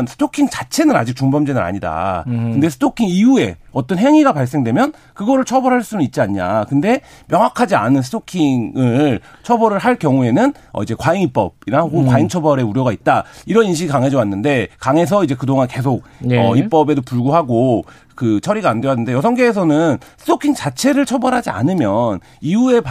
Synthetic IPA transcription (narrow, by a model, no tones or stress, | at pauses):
nsʰɯ̥tʰokʰiŋt͡ɕḁt͡ɕʰe̞nɯna̰d͡ʑik̚t͡ɕuŋbʌmd͡ʑenɯɾa̰ɲida̰kɯnde̞sʰɯ̥tʰokʰiŋiue̞ʌt͈ʌnɦeŋiɡapaɭs̬͈e̞ŋdwe̞mjʌn | kɯɡʌɾɯɭt͡ɕʰʌbʌɾɦaɭs͈unɯnit̚t͡ɕ͈iaɲiɲa̰kɯnde̞ | mjʌŋɦakʰad͡ʑianɯnsʰɯ̥tʰokʰiŋɯɭɭt͡ɕʰʌbʌɾɯɭɦaɭkjʌŋue̞nɯn | ʌ̰id͡ʑe̞kwaiŋip͈ʌ̰b̚iɾaɡokwaiŋt͡ɕʰʌbʌɾe̞uɾjʌɡait̚t͈aiɾʌninɕ̬ʰiɡikaŋɦe̞d͡ʑʌwanːɯnde̞kaŋe̞s̬ʰʌid͡ʑe̞kɯdoŋanke̞s̬ʰok̚ʌip͈ʌbe̞dopuɭɡuɦaɡo | kɯt͡ɕʰʌɾiɡaːndewanːɯnde̞jʌs̬ʰʌŋɡeːs̬ʰʌnɯnsʰɯ̥tʰokʰiŋt͡ɕat͡ɕʰe̞ɾɯɭt͡ɕʰʌbʌɾɦad͡ʑia̰nɯmjʌn | iue̞p